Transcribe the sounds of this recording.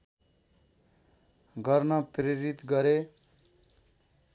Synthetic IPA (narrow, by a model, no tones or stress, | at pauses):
ɡʌɾnʌpɾeɾit̪ɡʌɾe